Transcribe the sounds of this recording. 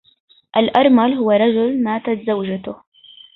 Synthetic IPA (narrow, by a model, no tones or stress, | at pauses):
ʔalʔɑɾˤmalɦʊwarˤɑd͡ʒʊlmaːt̪at̪zawd͡ʒat̪ʊh